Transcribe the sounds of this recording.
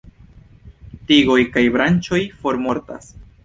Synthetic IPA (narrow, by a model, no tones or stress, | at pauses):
tiɡo̞jkajbɾant͡ʃo̞jfo̞ɾmo̞ɾta̰s